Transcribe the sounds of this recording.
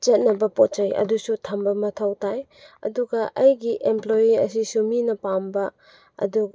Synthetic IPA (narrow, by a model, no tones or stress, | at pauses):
t͡ʃɐt̚nɐbɐpot̚t͡ʃɐjɐ̰dusutʰɐmbɐmɐtʰawtaj | ɐ̰duɡɐʔɐjɡiʔemplojiɐ̰sisuminɐpambɐ | ɐ̰du